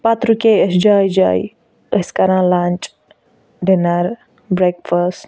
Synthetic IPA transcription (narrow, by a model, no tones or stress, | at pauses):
pat̪ɾukeəsd͡ʒaːjd͡ʒa̰ːj | əskɐɾãːlãːnt͡ʃ | ɖenɐɾ | bɾekfəs